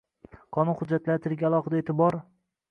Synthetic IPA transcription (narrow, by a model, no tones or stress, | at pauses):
qʰɒnʊnχʊd͡ʒːat̪laɾt̪ʰɪɾɡʲaalˠɒχɨd̪aet̪ʰɪbɒɾ